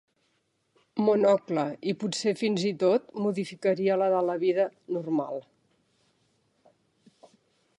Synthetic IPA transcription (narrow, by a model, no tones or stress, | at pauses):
munɔkləiputsefinzit̪ot̪̚muðifikəɾiələðələβiðənurma̰lˠ